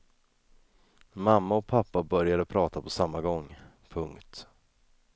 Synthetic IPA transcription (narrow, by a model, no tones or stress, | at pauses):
mamːaɔpʰapːabœɾjad̪əpʰɾɑːt̪apʰɔsamːaɡɔŋː | pʰɵŋkt̪